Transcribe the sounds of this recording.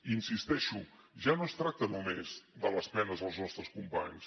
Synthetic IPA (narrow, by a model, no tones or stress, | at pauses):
insist̪ɛʃu | ʒanost̪ɾak̚t̪ənumezd̪ələspɛnəzðəlˠznɔst̪ɾəskumpaɲs